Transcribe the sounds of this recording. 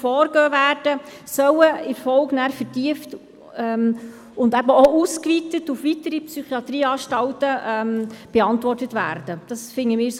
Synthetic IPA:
fɔːɾɡøːvæːɾd̥ə | sœwəɪmfɔlɡnæːɾfəɾtiəft | ɛm | ʊndɛbəouskʋitətufʋitəɾipsyχiɑt̪ɾiːɑːʃtɑwtəʔɛmb̥ɛɑntʋɔrtətvæ̰ːɾd̥əd̥ɑsfɪŋːəmɪːɾs

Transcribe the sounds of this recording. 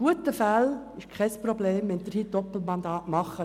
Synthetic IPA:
ɡuətəfæl | ɪʃkʰɛspɾobleːmʋɛnd̪ɪɾhiːd̥ɔpl̩mɑnd̪ɑːtmɑχːə

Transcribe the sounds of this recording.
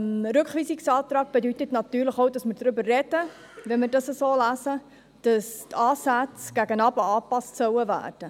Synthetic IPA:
mɾʏkχʋiːsiksɑːt̪rɑːk̚b̥edytətnɑtyːɾləχowdɑsməɾdɾʏbərːɛd̥ə | ʋɛnmɪrdɑsəsoːlæsə | d̥ɑstʰɑːsæt͡sɡ̥æɡənɑːbəɑːpɑstsœwəvæ̰ːrd̥ə

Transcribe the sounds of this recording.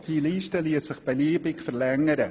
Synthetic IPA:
d̥iːliːʃtəliəssɪχb̥əliːbɪkfərlɛŋəɾə

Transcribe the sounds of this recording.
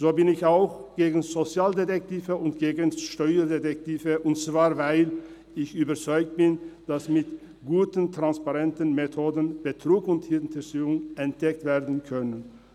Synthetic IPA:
z̥oːbɪnɪçaʊxɡ̥eːɡn̩zot͡sjaːldetɛk̚tiːvəʊntɡ̥eːɡənʃtɔʏɐdetɛk̚tiːvəʔʊntt͡sv̥aːɐvaɪl | ɪçyːbɐt͡sɔʏk̚t̚b̥ɪnd̥asmɪt | ɡ̥uːtəntʁ̥anspaʁɛntən̩metʰoːdən̩b̥ətʁ̥uːkʊnthɪntɛsyːʊŋɛnt̚d̥ɛk̚tv̥eːɐdn̩kʰœnən

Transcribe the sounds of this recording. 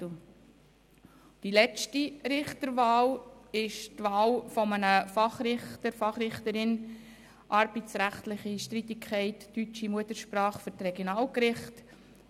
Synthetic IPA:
d̥ilɛt͡ʃtiɾɪχtəɾvɑːlɪʃtʋɑːlfɔmənəfɑχɾɪχtəɾfɑχɾɪχtəɾɪn | ʔɑɾbitt͡sɾæχtlɪχiʃtɾit̪ɪkʰχɛɪtːyt͡ʃimuətəʃpɾɑːχfʏɾtrɛɡ̥jonɑːlkɾɪχt

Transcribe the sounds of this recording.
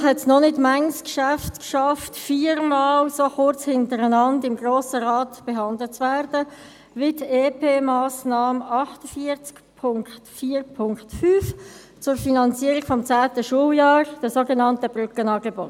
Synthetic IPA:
hɛtsnɔnɪtmæŋskʃæftkʃɑftfiːɾmɑːlsoχʊɾt͡shɪntəɾənɑndɪmɡʁoːsəʁɑːtb̥eɦɑndlət͡svɛɾd̥ə | vɪteːpʰeːmɑːsnɑːməɑχtəfiəɾt͡skpʰʊŋktfiːɾpʰʊŋktfyːf | t͡sʊɾfinɑnt͡siəɾɪɡ̥fɔmt͡sæːtəʃuəljɑːɾd̥əsoɡenɑntəb̥ʁʏkənɑːɡebot

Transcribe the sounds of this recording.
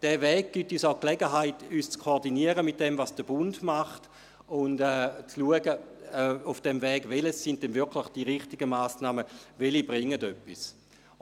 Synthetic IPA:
d̥ɛːvɛːɡ̚ɡ̥ityːsaʊklɛɡəɦaɪtyːst͡skʰooɐdiniəʁəmɪt̚d̥ɛmvasd̥əb̥ʊndmaχt | ʊndɛːt͡sluəɡəɛufd̥ɛmvɛːɡ̥veləsːɪnt̚dɛnvɪɐkʰlɪχd̥iʁɪχtiɡəmaːsnaːməvelib̥ʁɪŋːədøpːis

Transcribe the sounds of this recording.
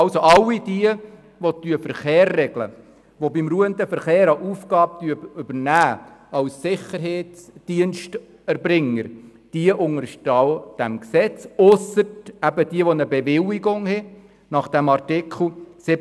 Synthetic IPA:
ɑlsoʔɑlːidiə | ʋot̪yəfəɾχeːrːɛɡ̥lə̰ | ʋobimɾuəənt̪əfəɾχeːɾɑʔuːfɡɑːb̚tyəʏbəɾnæːɑwsːɪχəɾɦeːt͡sd̥iənʃt | ɛɾbɾɪŋːəɾ | d̥iəʔʊŋəɾʃtɑwd̥æmksɛt͡sʊsətæbədiəʋɔnəbeʋɪliɡʊŋhɛ | nɑχd̥æmɑrtɪkʰl̩ˠsɪ

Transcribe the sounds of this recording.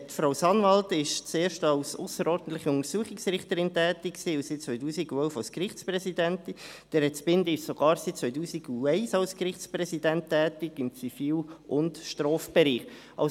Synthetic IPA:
tfɾaʊsɑnʋɑltɪʃt͡seːɾʃtɑlsʊsəɾɔːɾdn̩t̪lɪχəʊŋəɾsuəχɪksrɪχtəɾɪntɛːtɪkksiːʊsɪt̚t͡sʋœʏtuːsiɡuɛlfɑlskrɪχtt͡sprɛsidɛntɪ | d̥ɛɾɛsbɪndɪʃsoɡ̥ɑːɾsitt͡sʋœʏtuːsiɡuɛɪsɑlskrɪχtsprɛsidɛnttːɛːtɪɡɪmt͡sifiːlʔʊndʃtrɔːfb̥ɛɾiːχ | ɑ

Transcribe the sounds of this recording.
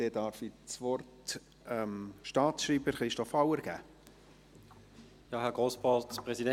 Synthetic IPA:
d̥ɛdɑɾfit͡sʋɔrt | ɛmʃtɑːtʃriːbəɾχɾɪʃtɔfɑwəɾɡ̥æ̰ː | jɑɦɛɡoːsbɑpʁɛzidɛ

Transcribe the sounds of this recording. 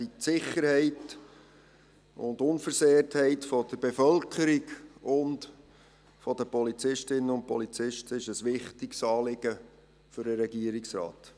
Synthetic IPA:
isɪχəɾhɛɪt | ʊ̰ndʊnfəɾseːəɾthɛɪtfɔd̥̪əɾbefœlkʰəɾiɡʊnd | fɔdəpɔlit͡sɪʃtɪnːənʊnt̚pɔlit͡sɪʃtəɪʃəsʋɪχtɪksɑːlɪɡə | fʏɾəɾɛɡiːəɾiksɾɑ̰ːt

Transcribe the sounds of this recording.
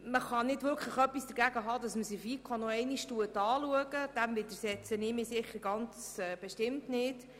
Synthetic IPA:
məχɑnɪdʋʏɾkʰləχœpːisd̥əɾɡæɡəɦɑːd̥ɑsməsɪfiːkʰonɔɛɪniʃtuətɑːluəɡəd̥æmvɪd̪əɾsɛt͡sənɪmɪsɪχəɾɡɑnt͡sɛːb̥ɛʃtɪmtnɪd

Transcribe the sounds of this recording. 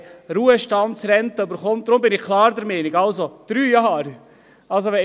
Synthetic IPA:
ɾuːəʃtɑntsɾɛnt̪əøbəɾχɔmt̚d̥̪ɾʊmbɪnɪχkʰlɑːɾdəɾmɛːnɪɡɑlsod̪̥ɾyːjɑːɾ | ɑls̬oʋɛ

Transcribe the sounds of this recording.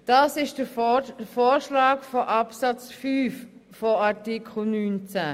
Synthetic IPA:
d̥ɑːsɪʃd̥əfoːɾʃlɑːkfoʔɑpsɑt͡sfyːf | foɑɾtikʰl̩nyːnt͡sæ

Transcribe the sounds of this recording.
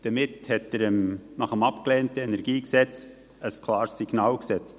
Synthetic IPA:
d̥əmɪthɛtəɾəmnɑχəmɑpklɛːntəɛnɛɾɡiːksɛt͡s | əskʰlɑːɾsiɡ̥nɑːlksɛt͡st

